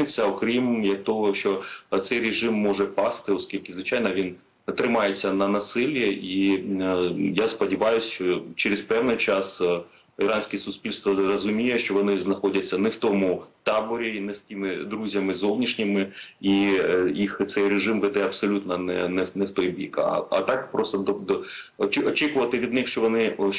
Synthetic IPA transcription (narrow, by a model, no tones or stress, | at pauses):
ɪt͡sʲːɐɔkɾʲimjɐk̚t̪ɔɦɔʃt͡ʃɔt̪sɛjɾɪʒɪmːɔʒɛpɑst̪ɪɔskʲilʲkɪzʋɪt͡ʃɑjnɐʋʲin | t̪ɾɪmɑjet͡sʲːɐnɐnɐsɪlʲjɐi | jaspɔdʲiʋɑjʊsʲʃt͡ʃɔt͡ʃeɾɪzpɛwnɪjt͡ʃɑsiɾɑnʲsʲkʲɛsʊsʲpʲilʲst̪ʋɐrɐzʊmʲijɛʃt͡ʃɔʋɔnɪznɐxɔdʲɐt͡sʲːɐnɛwt̪ɔmʊt̪ɑbɔɾʲiinɛsʲtʲimɪd̪ɾuzʲɐmɪzɔwnʲiʃnʲɪmɪijixt̪sɛjreʒɪmʋɛd̪ɛɐpsɔlʲut̪nɐnɛ̰nɛnɛwt̪ɔjbʲḭkɐ̰ɐ̰t̪ɑkpɾɔst̪ɔd̪ɔd̪ɔt͡ʃɔt͡ʃikʊʋɐt̪ɪʋʲid̪nɪxʃt͡ʃɔʋɔnɪ